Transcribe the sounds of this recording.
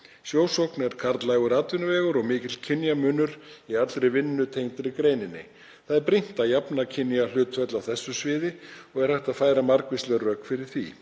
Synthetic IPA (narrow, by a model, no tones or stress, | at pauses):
sjoːwsowknɛɾ̥kʰaɾt̪lajɣʏɾaːt̪vʏnʏvɛːɣʏɾɔɣmɪːcɪt̪l̥cʰɪnjamʏnʏɾiat̪lɾɪvɪnːʏt̪ʰejnt̪ɾɪkɾeːjnɪnːɪ̰ | θaðɛɾpɾin̥t̪ajapnacʰɪnjalʏːt̪fœt̪lawθɛsːʏsvɪːðɪɔɣɛɾ̥hajht̪aðfaːjɾamaɾkvɪst̪lɛɣrœkfɪɾɪɾ̥θḭ